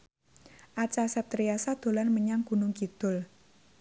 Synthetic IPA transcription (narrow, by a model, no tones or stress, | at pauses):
ʔat͡ʃasɛp̚t̪ɾiasad̪̥o̤lanməɲaŋɡ̥unʊŋkid̪̥ʊ̤l